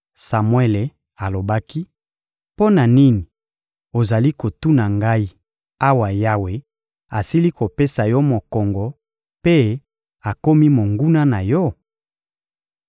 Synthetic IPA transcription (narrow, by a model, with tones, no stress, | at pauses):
sa˨mwe˦le˨ | a˨lo˨ba˦ki˦ | po˦na˨ni˦ni˨ | o˨za˨li˦ko˨tu˦na˨ŋɡa˦i˦ | a˦wa˨ja˦we˨ | a˨si˦li˦ko˨pe˦sa˨jɔ˦mo˨kɔ˨ŋɡɔ˨ | pe˦ | a˨ko˦mi˦mo˨ŋɡu˦na˦na˨jɔ˦